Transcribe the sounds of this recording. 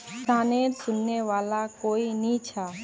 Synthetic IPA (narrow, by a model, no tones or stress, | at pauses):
saːnesʊnːeʋaːlakoːinit͡ʃʰaː